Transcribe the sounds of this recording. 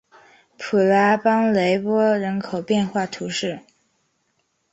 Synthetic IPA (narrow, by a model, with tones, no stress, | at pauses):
pʰu˨˩la˧˥pɑ˥ŋle˧˥ɪpwɔ˥ɻə˧˥nkʰo˨˩ʊpjɛ˥˧nxwa˥˩t̪ʰu˧˥ʂɻ̩˥˩